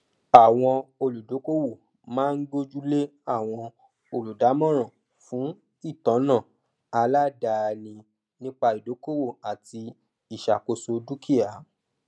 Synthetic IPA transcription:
a˨w̃ɔ̃˧o˧lu˨do˨˦ko˦wo˦˨ | mãː˦n̩˦ɡo˦d͡ʒu˦le˦a˦˨w̃ɔ̃˧ | o˧lu˨da˨˦mɔ̃˦ɾ̃ã˨ | fũ˨˦ | i˦˨tɔ̃˨˦nã˦˨ | a˧la˦da˧nĩ˧ | nĩ˦k͡pa˧i˨do˨˦ko˦wo˦˨a˨tʰi˧ | i˨ʃa˨ko˧so˧du˦kʰi˦a˨˦

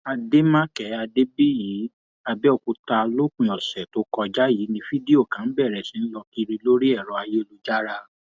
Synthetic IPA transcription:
a˧de˦mã˦kɛ˨˦a˧de˦bi˦jiː˨˦ | a˧bɛ˦ɔ˧˨ku˧ta˧lo˦kĩ˨ɔ˨sɛ˨to˨˦kɔ˧d͡ʒa˦ji˨˦nĩ˧fi˦de˦o˦˨kã˨˦n̩˦bɛ˦˨ɾɛ˨sĩ˨˦n̩˦lɔ˧ki˦˧ɾi˧lo˦ɾi˦ɛ˦˨ɾɔ˨˦a˧je˦˧lu˦d͡ʒa˦ɾa˧

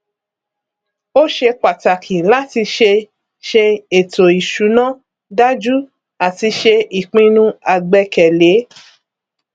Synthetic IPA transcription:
o˦ʃe˧k͡pa˨ta˨kʰi˨la˦ti˧ʃe˧ | ʃe˧e˨to˨i˨ʃu˨˦nã˦ | da˦d͡ʒu˦ | a˨ti˧ʃe˧i˨k͡pĩ˧˦nũ˦a˧˨ɡ͡bɛ˧kɛ˨le˨˦

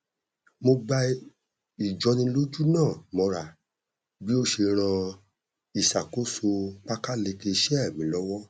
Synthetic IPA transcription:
mo˧ɡ͡ba˧ | i˨d͡ʒɔ˨˧nĩ˧˦lo˦d͡ʒu˦nãː˦˨mɔ̃˧ɾa˨ | bi˦o˦ʃe˧ɾ̃ã˧ | i˨sa˨ko˨˦so˧k͡pa˦ka˦le˧ke˧ʃɛ˦ɛ˦˨mĩ˨˦lɔ˦wɔ˦

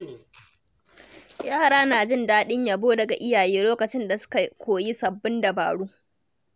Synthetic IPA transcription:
jaː˦ha˨ɽaː˦naː˨d͡ʒɪ˦ndaː˦ɗɪ˦ɲjaː˨boː˦dɐ˨ɡa˨ʔɪ˦jaː˨jeː˦loː˦kɐ˨t͡ʃɪ˦nda˨sʊ̥˦ka˨kʷʰoː˨ji˦sɐ˨bːɪ˦nda˨ba̰ː˨ɽuː˦ʔ

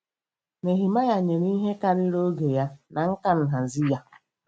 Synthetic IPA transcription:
me˨ɦi˨ma˦ɣa˨ɲe˨ɾi˦ɦe˦ka˦ɾɪ˦ɾo˦ɡe˨ja˦na˨ŋ̩˦ka˦n̩˨ɦa˨zi˦ja˦

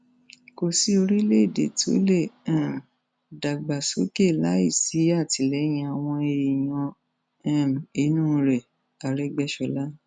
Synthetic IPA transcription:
ko˨si˨˦o˧ɾi˦le˦i˦˨de˨to̰˨˦lẽ˦˨˦ | da˨ɡ͡ba˨so˨˦ke˦˨la̰˨˦ḭ˦˨si˨˦a˦˨ti˨lɛ˨˦j̃ĩ˧a˨w̃ɔ̃˧e˧i˨j̃ɔ̃˧ | ɛ̃˦˨m˨i˨˦nũ˦˧ɾɛ˨ | a˨ɾɛ˨˦ɡ͡bɛ˦ʃɔ˧˦la˦

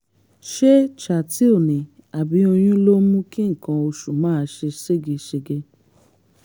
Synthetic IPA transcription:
ʃe˦t͡ʃa˨ti˨˦o˦˨nĩ˨ | a˨bi˨˦o˧j̃ũ˦lo˦mũ˦ki˦ŋ̩˨kã˧o˧ʃu˨mãː˨˦˧ʃe˧se˦˨ɡi˧ʃe˧ɡe˧

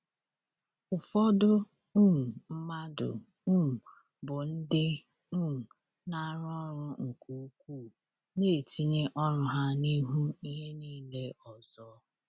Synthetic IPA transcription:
ʊ˨fɔ˦dʊ˦ | u˦m̩˨m̩˦ma˦dʊ̰˨ | u˦m̩˨ | bʊ˨n̩˦dɪ˦ | u˦˨ | na˦ɾɔ˦ɾʊ˨ŋ̩˨ku˨u˦kʷu˦˨ | ne˦˨ti˦ɲe˦ʔɔ˦ɾʊ˨ɦa˦ni˦ɦu˦i˦ɦe˦niː˦le˦ɔ˨zɔ˦

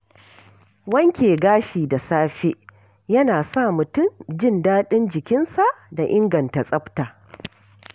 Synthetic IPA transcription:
wɐ˦ŋkʲeː˨ɡaː˦ʃiː˨da˨saː˦ɸe˦ʔ | jɐ˦naː˨sa˦˨mʊ˨tʊ˦˨md͡ʒɪ˦ndaː˦ɗɪ˦nd͡ʒɪ˨kʲɪ˦nsa˨ʔda˨ʔɪ˦ŋɡɐ˨nta˨sʼɐ˦ɸtaː˨

